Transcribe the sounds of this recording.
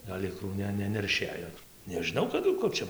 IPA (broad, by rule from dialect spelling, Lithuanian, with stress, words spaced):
ɡɐlʲ ˈɪkruː ˈnʲɛ nʲɛnʲɛrʲˈʃʲeːjoː nʲɛʒʲɪˈnɐʊ kɐˈdʊ ˈkʊr t͡ʃʲɛ